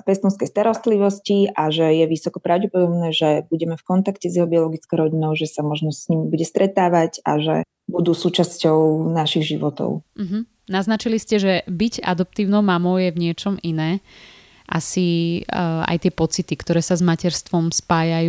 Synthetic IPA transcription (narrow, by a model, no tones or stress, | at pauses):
pɛst̪ɔnskɛjst̪aɾɔst̪liʋɔsciʔaʒɛjɛʋisɔkɔpɾaʊɟɛpɔd̪ɔbnɛːʒɛbuɟɛmɛfkɔnt̪akcɛzjɛɦɔbiɔlɔɡit͡skɔʊɾɔɟinɔʊʒɛsamɔʒnɔsɲimibuɟɛst̪ɾɛt̪aːʋaca̰ʒɛ̰ | bud̪uːsuːt͡ʃascɔʊnaʃiɣʒiʋɔt̪ɔ̰ʊm̩ɦm̩ | naznat͡ʃiliscɛʒɛbiɟa̰d̪ɔp̚t̪iːʊnɔʊmamɔʊjɛvɲɪɛt͡ʃɔminɛː | ʔa̰si | a̰jt̪ɪɛpɔt͡sit̪ikt̪ɔɾɛːsazmacɛɾst̪ʋɔmspaːjajuː